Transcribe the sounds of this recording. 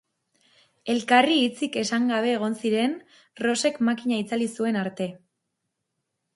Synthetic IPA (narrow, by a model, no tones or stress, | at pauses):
e̞lkariːt͡sike̞saŋɡaβ̞e̞ːɣ̞o̞nsiɾe̞n | ro̞se̞kmakiɲait͡salisue̞naɾt̪e̞